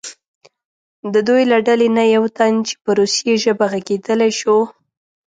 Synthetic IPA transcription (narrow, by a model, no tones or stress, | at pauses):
d̪əd̪ujlaɖalenajawt̪ant͡ʃe̥pəɾusjeʒəbaɣaɡed̪əlajʃo